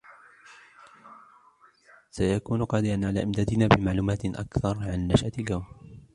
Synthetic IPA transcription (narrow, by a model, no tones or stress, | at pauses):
sajakuːnqɑːd̪ɪɾanʕalaːʔɪmd̪aːd̪ɪnaːbɪmaʕluːmaːt̪ʔa̰kθɑɾˤʕanːaʃʔalɡawm